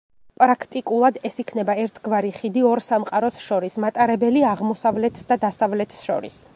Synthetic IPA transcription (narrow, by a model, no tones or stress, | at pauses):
pʼɾakʰt̪ʼikʼulˠad̪ɛsikʰnɛbaɛɾt̪ʰɡvaɾiχid̪iɔɾsamqʼaɾɔsʃɔɾismat̪ʼaɾɛbɛliaʁmɔsavlɛt̪ʰsd̪ad̪asavlɛt̪ʰsʃɔ̰ɾḭs